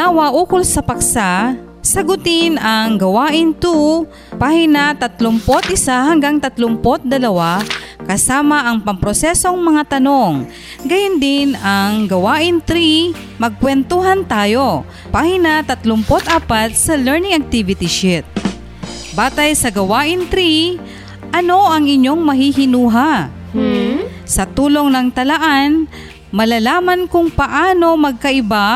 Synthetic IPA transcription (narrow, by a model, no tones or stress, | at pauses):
awɐʔuːkolsɐpɐksa | sɐɡʊt̪ɪnɐŋɡɐwaːʔɪnt̪u | paːhɪnɐt̪ɐt̪lʊmpot̪ʔɪsahɐŋɡaŋt̪ɐt̪lʊmpot̪̚d̪ɐlɐwakɐsaːmɐʔɐŋpɐmpɾosɛso̞ŋmɐŋat̪ɐno̞ŋ | ɡɐjʊnd̪ɪnɐŋɡɐwaːʔɪnt̪ɾi | mɐɡ̚kwɛnt̪oɦɐnt̪aːjo̞ | pahɪnɐt̪ɐt̪lʊmpot̪ʔaːpɐt̪̚sɐlɛɹnɪŋɐk̚t̪ɪvɪt̪ɪʃɪt̪̚ | baːt̪ɐjsɐɡɐwaːʔɪnt̪ɾi | ʔɐno̞ʔɐŋɪɲjo̞ŋmɐɦiɦɪnuːɦa | sɐt̪uːlo̞ŋnɐŋt̪ɐlɐʔan | mɐlalaːmɐnkʊŋpɐʔaːno̞mɐɡ̚kɐʔɪba